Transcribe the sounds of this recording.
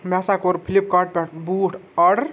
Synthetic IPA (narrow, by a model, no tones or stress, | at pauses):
masakoɾpʰilip̚kaʈ̚peʈʰbuːʈʰəɽ